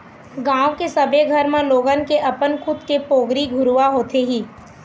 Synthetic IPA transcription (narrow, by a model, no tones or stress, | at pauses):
ɡãːwkesɐbʱeɡʱəɾmẽloːɡənkeʔɐpənkʰʊd̪kepoːɡɾiɡʱʊɾuʋaɦoːt̪eɦiː